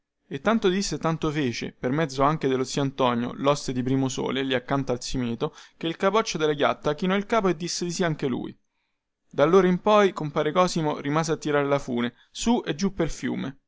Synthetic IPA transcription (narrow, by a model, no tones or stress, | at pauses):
et̪ːant̪od̪isːet̪ant̪ofeːt͡ʃḛpermɛd̪zːoaŋk̟ed̪elot̪sːioant̪ɔnjo̰lɔst̪ed̪ipɾiːmoso̰ːleliakːant̪oalsimeːt̪ok̟eilkapɔt͡ʃːod̪elaɡja̰t̪ːak̟inɔilkaːpoed̪ːisːed̪isiaaŋk̟elṵːj̰ | d̪alːoːɾaimpɔjkompaːɾekɔːzimorimaːzeat̪ːiɾaːɾelafṵːne | suʔed͡ʒːupːelfjṵːme